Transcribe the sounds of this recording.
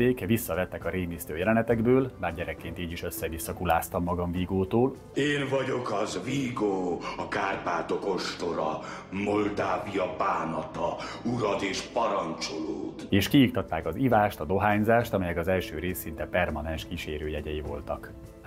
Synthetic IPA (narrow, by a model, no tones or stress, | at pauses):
eːkvisːɒvɛt̪ːɛkɒɾeːmist̪øːjɛlɛnɛt̪ɛɡbøːlbaːrɟɛɾɛkːeːnt̪iːɟiʃø̞sːɛvisːɒkulaːst̪ɒmːɒɡɒɱviɡoːt̪oːl | eːnvɒɟo̞kɒzviːɡoːɒkaːrpaːt̪o̞ko̞ʃt̪o̞ɾɒ̰ | mo̞ld̪aːvijɒpaːnɒt̪ɒ | uɾɒd̪eːʃpɒɾɒnt͡ʃoloːt̪eːʃkijik̚t̪ɒt̪ːaːkɒzivaːʃt̪ɒd̪o̞ɦaːɲzaːʃt̪ɒmɛjɛkɒzɛlʃøːɾeːsːint̪ɛpɛrmɒnɛnʃkiʃeːɾøːjɛɟɛjivo̞lt̪ɒk